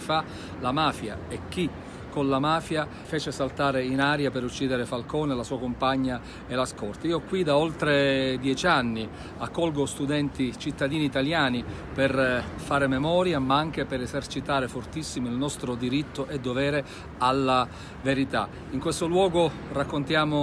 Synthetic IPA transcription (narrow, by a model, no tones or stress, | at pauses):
fa | lamaːfja̰ɛk̟ːi | konlamaːfja | feːt͡ʃesalt̪aːɾeinaːɾjapeɾut͡ʃːiːd̪eɾefalkoːnelasuːakompaɲːa | elaskɔrt̪iːokwid̪aolt̪ɾed̪jɛt͡ʃanːi | akːɔlɡost̪ud̪ɛnt̪it͡ʃit̪ːad̪iːniːt̪aljaːni | perfaːɾememɔːɾjamaaŋk̟epeɾezert͡ʃit̪aːɾefort̪isːimoilnɔst̪ɾod̪iɾit̪ːoʔed̪ːovɛːɾe | alːa | veɾit̪a̰ | iŋkwest̪olwɔːɡo | rakːont̪jaːmo